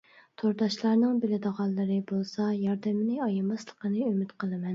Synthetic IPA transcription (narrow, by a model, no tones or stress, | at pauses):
t̪ʰoɾd̪ɑʃlˠɑɾnɨŋbɪlɪd̪əʁɑlˠːɨɾɨbolˠsɑjɑɾd̪ɛmɪnɨɑjɑmɑslˠəqənɨymyt̪qʰəlˠɨmɛn